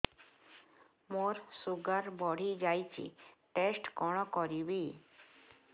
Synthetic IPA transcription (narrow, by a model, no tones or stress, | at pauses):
moɾsuɡaɾbɔɽ̤id͡ʒajt͡ʃʰḭʈesʈkɔɽ̃ɔkɔɾibi